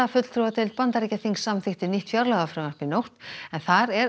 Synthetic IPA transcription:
afʏt̪l̥t̪ʰɾuvat̪ʰɪlt̪̚pant̪aɾicaθiŋksːamθɪht̪ɪniht̪fjaɾlaɣafɾʏmvaɾ̥pɪnowht̪ɛnθaɾɛɾ

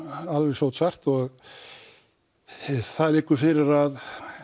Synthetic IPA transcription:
alvɛsowt̪sar̥t̪ɔɣ | θaðlɪkːʏfɪɾɪɾað

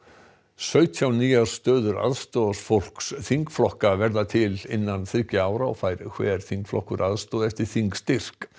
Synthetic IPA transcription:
sœːɥt̪ʰjawniːjaɾ̥st̪œːðʏɾa̰ðst̪ɔðasfowl̥ksθiŋkflɔhkavɛɾðat̪ʰɪlɪnːanθɾɪcɪaːwɾaɔ̰faːjɾkʰvɛɾ̥θiŋkflɔ̰hkʏɾʔaðst̪ɔːðɛft̪ɪɾ̥θiŋkst̪ɪr̥k

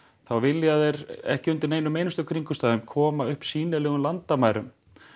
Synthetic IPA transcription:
θawvɪlːjaðeɾɛ̰hcɪʏnt̪ɪɾneːjnʏmeːjnʏst̪ʏkʰɾiŋkʏst̪aːðʏmkʰɔːmaʏhpsiːnɪlɛːɣʏmlant̪amaːjɾʏ̰m

